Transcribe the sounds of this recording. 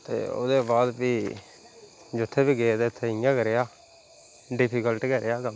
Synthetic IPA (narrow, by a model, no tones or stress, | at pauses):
t̪ḛːo̰ːd̪eːbaːd̪biː | d͡ʒʊt̪ʰːeːbiːɡeːd̪eːt̪ʰːeːɪjãːkəɾeːaː | ɖɪpʰiːkəlʈkəɾeːaːkəl